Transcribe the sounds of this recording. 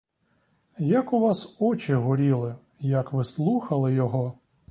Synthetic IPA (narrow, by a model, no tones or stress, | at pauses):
jɐkʊʋɑsɔt͡ʃɪɦɔɾʲilˠɪ | jɐkʋɪslˠuxɐlˠɪjɔɦɔ